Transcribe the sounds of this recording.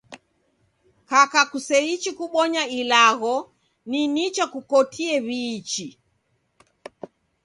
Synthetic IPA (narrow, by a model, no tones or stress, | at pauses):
kakakusɛit͡ʃikuɓɔɲailaɣɔ | ninit͡ʃakukɔtʰiɛβiːt͡ʃi